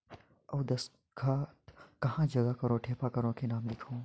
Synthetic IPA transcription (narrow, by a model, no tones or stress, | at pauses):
ɐwd̪ɐs | kʰaːt̪kɐɦãːd͡ʒɐɡakɐɾõʈʰeːpakɐɾõkenaːmlɪkʰõː